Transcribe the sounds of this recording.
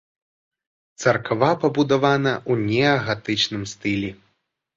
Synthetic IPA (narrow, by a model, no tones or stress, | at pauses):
t̪sɐrkavapɐbud̪avanɐʔunʲɛɐɣat̪ɨt͡ʂnɨmst̪ɨlʲɛ